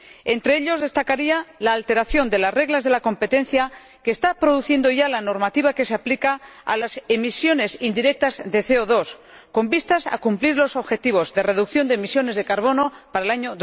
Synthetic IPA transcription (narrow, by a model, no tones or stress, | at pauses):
e̞nt̪ɾe̞eʎo̞zð̞est̪akaɾialaːlt̪e̞ɾaθjo̞nd̪e̞lasre̞ɣlazðe̞lako̞mpe̞t̪ẽ̞n̟θja | keːst̪apɾo̞ð̞uθje̞nd̪o̞ʝalano̞ɾmat̪iβake̞se̞aplikaa̰lase̞misjo̞ne̞sind̪iɾe̞k̚t̪azðe̞θe̞oðo̞s | ko̞mbist̪asa̰kumpliɾlo̞so̞βxe̞t̪iβ̞o̞zðe̞re̞ðukθjond̪emisjo̞ne̞zðe̞kaɾβ̞o̞no̞paɾaelaɲoð